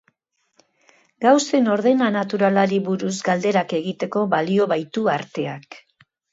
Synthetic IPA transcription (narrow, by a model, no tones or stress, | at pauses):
ɡawse̞no̞ɾð̞e̞nanat̪uɾalaɾiβuɾuzɡald̪e̞ɾake̞ɣit̪e̞ko̞βalio̞βajt̪uaɾt̪e̞ak